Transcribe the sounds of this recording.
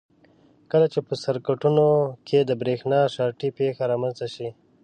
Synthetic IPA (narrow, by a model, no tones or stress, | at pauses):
kəlat͡ʃepəsaɾkaʈunokʰed̪əbɾexnɑʃɑʈipexaɾɑmanzt̪aʃi